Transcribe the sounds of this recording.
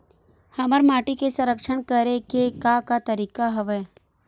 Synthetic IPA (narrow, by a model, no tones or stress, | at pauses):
hɐməɾmaːʈikesɐ̃ɾəkʃənkəɾekekakat̪əɾiːkaɦɐʋeː